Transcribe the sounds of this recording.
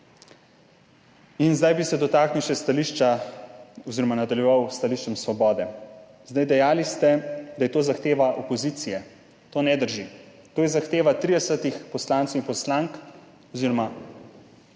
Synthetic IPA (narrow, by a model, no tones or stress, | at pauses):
inzd̪ajbisɛd̪ɔt̪aːkniwʃɛst̪aliʃt͡ʃa | ɔziɾɔmanad̪aljɛʋawst̪aliʃt͡ʃɛmsʋɔbɔːd̪ɛ | zd̪ajd̪ɛjaːlist̪ɛd̪ajɛt̪oːzaxt̪eːʋaʔopɔziːt̪sijɛ | t̪oːnɛd̪əɾʒi | t̪oːjɛzaxt̪eːʋat̪ɾid̪ɛsət̪ixpɔslaːnt̪sɛwinpɔslaŋk | ɔziːɾɔma